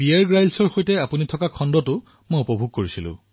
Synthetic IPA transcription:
bijaɹɡɹajlsɔɹxojtɛapunitʰɔkakʰɔndɔtʊ | mojupɔbʱuɡ̚koɹisilʊ̰̃

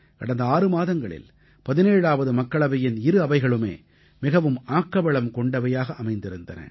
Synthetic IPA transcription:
kɐɽɐnd̪ɐaːrɯmaːðɐŋɡɐɭɪ̰l | pɐðɪneːɻaːʋɐðɯmɐkːɐɭɐʋɐjɪnɪɾɯɐʋɐɪɣɐɭɯmḛː | mɪɣɐʋɯmaːkːɐʋɐɭɐmkɔɳɖɐʋɐjaːɣɐʔɐmɐɪnd̪ɪɾɯnd̪ɐnɐ̰

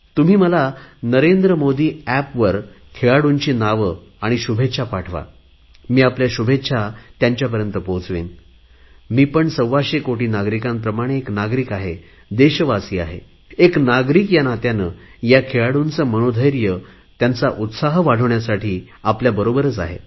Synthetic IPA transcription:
t̪um̤iːməlanəɾend̪ɾəmod̪iːæpʋəɾ | kʰeɭaɽuɲt͡ɕiːnaʋə | aɽ̃iɕubʱet̪ːʂʰapaʈʰʋa̰ | miːapljaɕubʱet̪ːɕʰat̪jaɲt͡ɕjap̬əɾjənt̪əpot͡sʋḛn | miːpəɳsəwʋaɕekoʈiːnaɡɾikãmpɾəmaɽ̃eːknaɡɾiːkaɦe | d̪eɕəʋasiːa̰ɦḛ | eknaɡɾikjanat̪janəjakʰeɭaɽunt͡səməñod̪ʱəjɾjə | t̪jant͡saʔut̪saɦʋaɽ̤əʋɳjasaʈʰiː | apljabəɾobəɾət͡sa̰ɦḛ

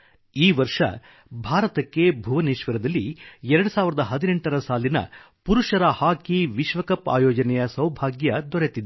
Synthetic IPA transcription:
iːʋɐɾʂɐ̰ | bʱaːɾɐt̪ɐkːe̞bʱuʋɐniːʃʋɐɾɐd̪ɐlːiɛɾɐɽusaːʋiɾɐd̪ɐɦɐd̪ineɳʈɐɾɐsaːlinɐ̰ | puɾuʂɐɾɐhaːkiʋiʃʋɐkɐpa̰ːjɔːd͡ʒɐnɛjɐsɐwbʱaːɡjɐd̪ɔɾet̪id̪e

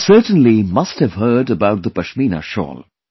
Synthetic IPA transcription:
sɜːʈə̃nlimʌsthɨv̥hɜːdəbaʊt̪̚d̪əpəʃmiːna̰ʃɔ̰ːl

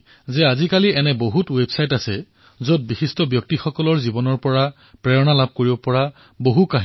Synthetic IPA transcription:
zɛazikaliɛnɛboɦutwebsajtasɛ | zot̚bixistɔbjɔk̚tixɔkɔlɔɹzibɔnɔɹpɔɹa | pɹɛɹɔnalab̚koɹibɔpɔɹa | boɦukaɦ

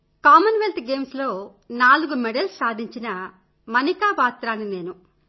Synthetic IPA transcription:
kaːmɐnʋelt̪ɡe̞ːmslo̞ː | naːluɡumɛɖɐlsaːd̪ʱiɲt͡ʃinɐ | mɐnikaːʋaːt̪ɾaːnine̞ːnu

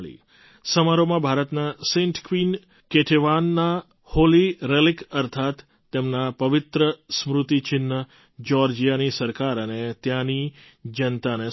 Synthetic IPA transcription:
ɭḭ | səmaɾomãbʱaɾət̪nasẽɳʈkʋin | keʈʰeʋanːa | holiɾelɪkəɾt̪ʰat̪ː | emnapəʋɪt̪ɾəsmɾʊt̪it͡ʃɪnːə | d͡ʒɔɾd͡ʒijanisəɾkaɾənet̪jãni | d͡ʒənt̪ane

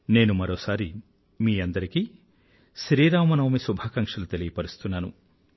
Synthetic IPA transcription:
ne̞ːnumɐɾoːsaːɾi | miːɐnd̪ɐɾiki | ʃɾiːɾaːmɐnɐʋmisubʱaːkɐŋkʂɐlut̪elijipɐɾist̪unːaːnu

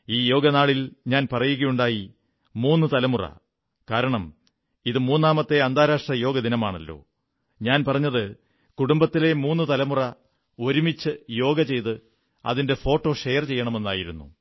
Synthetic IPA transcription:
iːjo̞ːɡɐnaːɭilɲaːnpɐrɐjuɣɐjuɳɖaːji | muːnːɨt̪ɐlɐmurɐ̰ | kaːɾɐɳɐm | iðɨmuːnːaːmɐt̪ːe̞ɐnd̪ʱaːɾaːʂʈrɐjo̞ːɡɐd̪inɐmaːɳɐlːo̞̰ː | ɲaːnpɐrɐɲːɐðɨ | kuɽumbɐt̪ːile̞muːnːɨt̪ɐlɐmurɐ | o̞ɾumit͡ɕːɨjo̞ːɡɐt͡ɕe̞jt̪ɨ | ɐ̰ðinde̞fo̞ːʈːo̞ːʂejɐrt͡ɕe̞jːɐɳɐme̞nːaːjiɾunːu

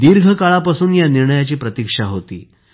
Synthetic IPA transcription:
d̪iɾɡʱəkaɭapasuːnjaniɾɳəjat͡ɕiːpɾət̪ikʂaɦot̪ḭː

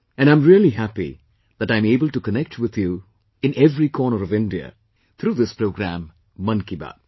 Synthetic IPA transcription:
ɨ̃nãɪ̃mɹiəlˠiɦæpḭ | ðɨɾãɪ̃meɪbəlˠʈukənɛk̚twɪðju | ɨ̃nɛvɹikʰɔɹnəɾʌvɪ̃ndiə̰ | t̪ʰɾuːðɪspɹoʊɡɾæ̰̃mː | ʌ̃nkiba̰d̚

